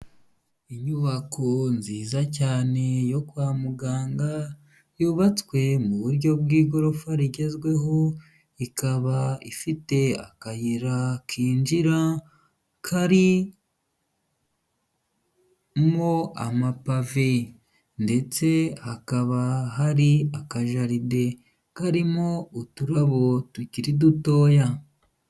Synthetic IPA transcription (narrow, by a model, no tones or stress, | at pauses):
iɲuβakʰo̞nziːzacaːne̞jo̞kwaːmuɡaːŋɡa | juːβat͡swe̞muβuɾɟo̞bɡiːɡo̞ɾofaɾiɟe̞zɡwe̞ɦo̞ | ikaβaifite̞a̰kajiɾakiːnd͡ʒiɾa | kʰaɾi | mo̞a̰mapave | nde̞t͡se̞hakaβaɦaɾiakaʒaɾide̞ | kaɾimo̞utuɾaβo̞tuciɾiduto̞ːja